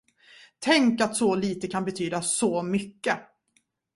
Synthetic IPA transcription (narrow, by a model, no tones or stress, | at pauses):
t̪ʰɛŋkat̪sɔliːt̪əkʰanbɛt̪ʰyːd̪asɔmʏkːə